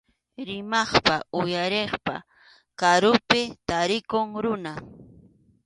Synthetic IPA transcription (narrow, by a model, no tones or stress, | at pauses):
ɾɪmɑχpaʊjaɾeχpa̰ | kaɾʊpɪt̪aɾɪkoŋɾʊna